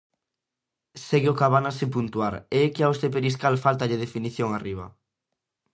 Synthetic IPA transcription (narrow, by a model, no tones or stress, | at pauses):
seɣɪokaβanasɪpunt̪uaɾeɛkɪaost̪ep̬eɾiskalfalt̪aʎeðefiniθjoŋariβ̞ɐ̰